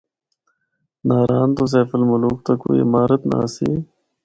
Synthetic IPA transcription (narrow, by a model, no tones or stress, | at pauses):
naːɾaːnt̪os̬eːfəlmuluːkt̪ako̰ːḭimaːɾət̪na̰siː